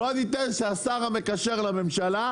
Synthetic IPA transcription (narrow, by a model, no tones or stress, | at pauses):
od̪it̪enʃeasaʁame̞kaʃe̞ʁlame̞mʃala